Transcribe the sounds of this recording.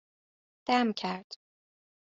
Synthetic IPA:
d̪̥æmcʰæɾd̪̥

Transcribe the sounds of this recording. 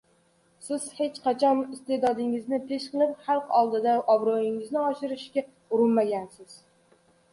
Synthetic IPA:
sɪz̥het͡ʃqʰɑt͡ʃʰɒnɪst̪ed̪ɒd̪ɪŋɪznɪpʰe̞ʃqɨlˠɪpχalˠqɒlˠd̪ɪd̪aʔɒbɾojɪŋɪznɪɒʃɪɾɪʃkʲa | ʊɾɪnmaɡʲansɪz̥

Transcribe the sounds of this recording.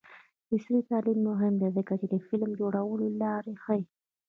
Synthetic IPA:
b̪ɪsɾit̪alimːʊɦɪmd̪ezəkat͡ʃed̪əfɪlmd͡ʒoɽawəlolɑːɾexəj

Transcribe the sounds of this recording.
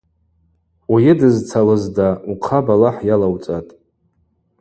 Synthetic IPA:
ajɪdɨzt͡sʰalɨzdauqʰabalaħjalawt͡sʼatʼ

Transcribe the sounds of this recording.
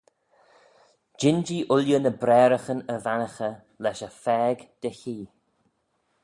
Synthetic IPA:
d͡ʒɪnd͡ʒiːʔʊljənəbɾɛːɾəxənəvanəxə | lɛʃəfɛːɡd̪̥əçiː

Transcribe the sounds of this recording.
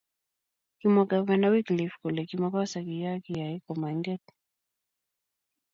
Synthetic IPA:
kimakavɛnawiklifkulɛkimakɔsakijakijaikɔmaŋɡɛt

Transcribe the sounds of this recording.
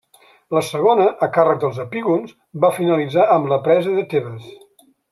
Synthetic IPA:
ləsəɣ̞onəʔːkarəɡ̚d̪əlˠzəpiɣunz | bafinəlid͡zaəmləpɾɛzəðət̪eβəs

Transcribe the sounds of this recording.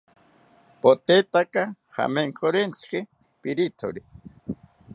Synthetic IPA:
pot̪et̪aka | ha̰meŋkʰoɾent͡skɪ | piɾit̪ʰo̰ɾi

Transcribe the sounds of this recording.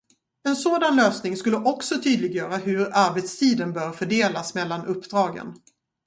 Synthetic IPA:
ɛnsoːd̪anløːsnɪŋskɵlːəʔɔksɔt̪ʰyːd̪lɪɡjœːɾaɦɵɾaɾbɛt̪st̪ʰiːd̪ənbœːɾfœɖeːlasmɛlːanʔɵpːd̪ɾɑːɡə̰n

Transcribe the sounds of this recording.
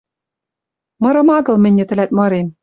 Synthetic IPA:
mɤ̆ɾɤ̆mɑɣɤ̆lˠmɘ̆nʲːɘ̆t̪ɘ̆læt̪̚mɤ̆ɾem

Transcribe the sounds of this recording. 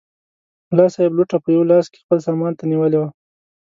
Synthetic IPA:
lɑsɑjɪbluʈapəjawlɑske̥xpəlsɑmɑnt̪aniwəlewa

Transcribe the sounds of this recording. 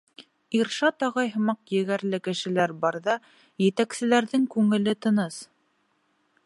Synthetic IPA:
iɾʃɑt̪ɑʁɑjɦɤ̆mɑqjɘ̆ɣæɾlɘkɘ̆ʃɘ̆læɾbɑɾðɑ | jɘ̆t̪æksɘ̆læɾðɘŋkʉŋɘ̆lɘt̪ɤ̆nɤs

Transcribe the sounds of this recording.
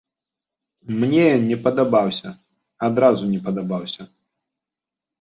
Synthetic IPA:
mnʲɛnʲɛpɐd̪abawsʲɐ | ad̪ɾazunʲɛpɐd̪abawsʲɐ

